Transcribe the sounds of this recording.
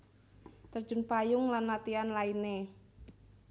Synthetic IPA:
t̪ərd̥d͡ʒ̥ʊ̤npajʊŋlanlat̪ianlaine

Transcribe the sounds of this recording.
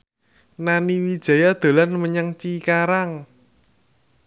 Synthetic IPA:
naniwid̥ʒ̥a̤jad̪̥o̤lanməɲəŋt͡ʃikaɾaŋ

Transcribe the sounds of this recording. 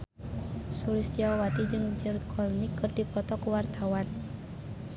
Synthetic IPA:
suɾist̪iawat̪id͡ʒɨŋd͡ʒərkʰɔlnikərdipɔt̪ɔkwart̪awan

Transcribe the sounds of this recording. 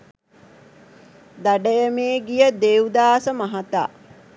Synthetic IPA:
d̪aɖəjəmeːɡijəd̪eud̪aːsəmaɦat̪a̰ː

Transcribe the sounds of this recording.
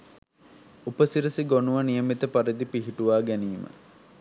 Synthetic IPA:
upəsiɾəsiɡonuʋɐnijəmit̪əpaɾid̪ipiɦiʈuʋaːɡæniːmə̰

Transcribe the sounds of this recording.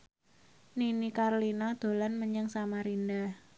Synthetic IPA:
ninikarlinad̪̥o̤lanməɲəŋsamaɾinda

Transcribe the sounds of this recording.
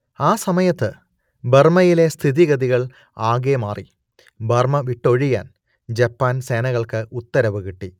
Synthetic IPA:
aːsɐmɐjɐt̪ːɨ | bɐrmɐjile̞st̪ʰiðiɣɐðiɣɐɭ | aːɡemaːri | bɐrmɐʋiʈːo̞ɻija̰ːn | d͡ʑɐpːaːnseːnɐɣɐɭkɨut̪ːɐɾɐʋɨɣiʈːi

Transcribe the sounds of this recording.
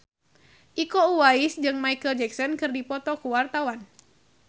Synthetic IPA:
ʔikɔuwaisd͡ʒɨŋmaikəld͡ʒɛksɔnkɨrdipɔt̪ɔkuwart̪awan

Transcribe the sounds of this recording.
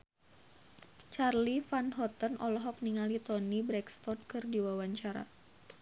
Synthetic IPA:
t͡ʃarlifanɦɔt̪ənɔlɔɦɔk̚niŋalit̪ɔnibɾɛkst̪ɔd̚kɨrdiwawaɲt͡ʃaɾa̰

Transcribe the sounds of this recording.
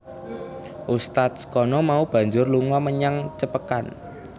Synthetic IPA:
ʔust̪at̪̚sə̥kɔnɔmaub̥ä̤ɲd͡ʒʊrluŋɔməɲaŋt͡ʃəpəkan

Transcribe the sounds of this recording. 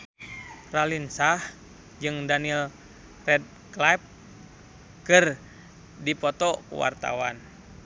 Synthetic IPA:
ralinsah | d͡ʒɨŋdanil | rɛd̚ | klajp̚ | kɨr | dipɔt̪ɔkṵwa̰rt̪a̰wan

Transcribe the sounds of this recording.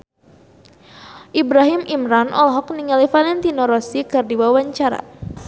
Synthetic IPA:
ʔibɾaɦimimɾanʔɔ̰lɦɔk̚niŋalifalɛnt̪inɔɾɔsikɨrdiwawaɲt͡ʃaɾa̰

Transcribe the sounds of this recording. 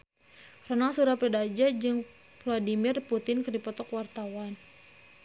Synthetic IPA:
rɔnaŋsuɾapɛdad͡ʒad͡ʒɨŋ | fladimɪrput̪ɪnkɨrdipɔt̪ɔkwart̪awan

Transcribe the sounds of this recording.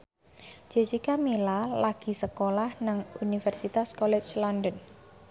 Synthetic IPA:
d͡ʒ̥e̤sikamilalaɡ̥i̤səkolahnaŋunifɛrsit̪askɔlɛt͡ʃlɔndən

